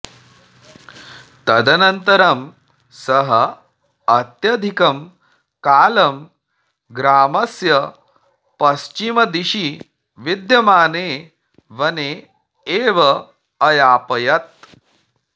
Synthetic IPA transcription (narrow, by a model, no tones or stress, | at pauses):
t̪ɐd̪ʱɐnɐnt̪ɐɾɐm | sɐɦɐ | ɐt̪jɐd̪ʱikɐm | kaːlɐm | ɡɾaːmɐsjɐ | pɐst͡ʃimɐd̪iʃi | ʋid̪jɐmaːneː | ʋɐneː | eːʋɐ | ɐjaːpɐjɐt̪̚